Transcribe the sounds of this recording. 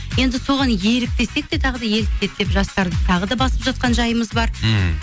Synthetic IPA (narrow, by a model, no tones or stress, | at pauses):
je̞nd̪ɪso̞ʁɑnje̞ɾɪk̚t̪e̞se̞k̚d̪e̞t̪ʰɑʁəd̪ɑje̞ɾɪk̚t̪e̞t̪̚d̪e̞pʒɑst̪ɑɾd̪ət̪ʰɑʁəd̪ɑbɑsəpʒɑt̪̚qɑnʒɑjəməzbɑɾ